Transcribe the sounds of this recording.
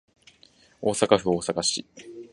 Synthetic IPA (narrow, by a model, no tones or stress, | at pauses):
oːsakaɸɯoːsakaɕḭ